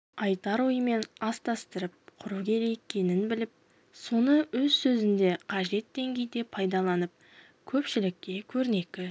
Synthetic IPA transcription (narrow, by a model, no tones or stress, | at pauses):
ɑjt̪ɑɾwojəme̞nɑst̪ɑst̪əɾəp̚qʰʊɾukʲʰe̞ɾe̞jekʲːe̞nɪnbɪlɪp̚ | so̞nəwɵzsɵzɪnd̪e̞qʰɑʒe̞t̪̚d̪e̞ŋɡʲe̞jd̪e̞pʰɑjd̪ɑlˠɑnəp̚ | kʲʰɵpʃɪlɪk̚ʲːe̞kʲʰɵɾne̞kʲɪ